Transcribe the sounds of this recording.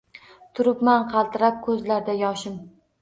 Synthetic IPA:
t̪ʰʊɾɪpmanqʰɑlˠt̪ʰɪɾap̚kʰɵzlaɾd̪ajɒʃɪm

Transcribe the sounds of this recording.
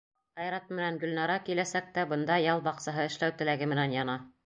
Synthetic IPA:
ɑjɾɑt̪̚mɘ̆næŋɡɵ̆lnɑɾɑkilæsæk̚t̪æbɤ̆nd̪ɑjɑlˠbɑqsɑɦɤɘ̆ʃlæwt̪ɘ̆læɡɘmɘ̆nænjɑnɑ

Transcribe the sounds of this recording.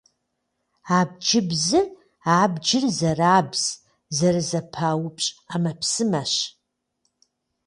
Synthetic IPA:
aːb̚d͡ʒɪbzɨ | aːbd͡ʒɪrzɐraːbz̥ | zɐrɨzɐpʰaːwʊpʼɕʼaːmɐpsɨmɐɕ

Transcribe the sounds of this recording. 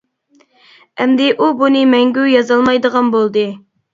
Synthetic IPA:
ɛmd̪ɪʔubunɨmɛŋɡʲyjɑzɑlˠmɑjd̪əʁɑnbolˠd̪ɨ

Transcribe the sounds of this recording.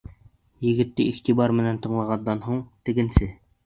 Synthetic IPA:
jɘ̆ɡɘ̆t̪ːɘʔiχt̪ibɑɾmɘ̆nænt̪ɤ̆ɴlˠɑʁɑnd̪ɑnɦuɴt̪ɘ̆ɡɘ̆nsɘ

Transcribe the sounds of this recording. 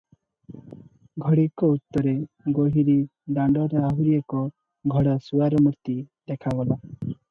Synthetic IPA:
ɡʱɔɽikɔut̪ːɔɾe | ɡoɦiɾiɖãɳɖɔɾeaɦuɾiekɔ | ɡʱɔɽasuaɾɔmuɾt̪id̪ɛkʰabɔla

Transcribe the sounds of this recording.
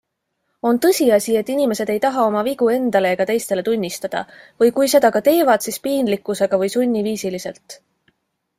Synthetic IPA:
o̞nt̪ɤ̞sʲiɑsʲie̞t̪ˑːinime̞se̞d̪̥e̞jt̪ɑɦɑo̞mɑviɡ̥ue̞nd̪̥ɑle̞ːɡ̥ɑt̪e̞jst̪e̞le̞t̪unʲːist̪ɑd̪̥ɑ̰vɤjkujse̞d̪̥ɑkɑt̪e̞ːvɑd̪̥sispiːnd̪likːˑuse̞ɡ̥ɑvɤjsunʲːiviːsilise̞̰lt̪ˑ

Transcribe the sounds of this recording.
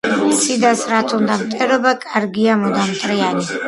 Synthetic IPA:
t̪sʰid̪asɾat̪ʰund̪amt̪ʼɛɾɔbakʼaɾɡiamɔd̪amt̪ʼɾijani

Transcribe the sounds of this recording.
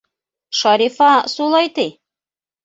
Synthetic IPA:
ʃɑɾifɑsulˠɑjt̪ɘj

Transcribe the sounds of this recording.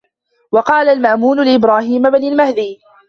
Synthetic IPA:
wɑqɑːlalmaʔmuːnʊlɪʔɪbɾaːhiːmabnɪlmahd̪iː

